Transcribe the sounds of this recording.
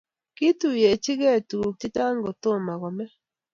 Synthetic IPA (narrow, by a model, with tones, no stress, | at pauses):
ki˦tu˨je˨t͡ʃi˦ɣɛ˦˨tu˨ti˦ta˦ŋɡo˨t̪o˦˨ma˨ɣɔ˨mɛ˦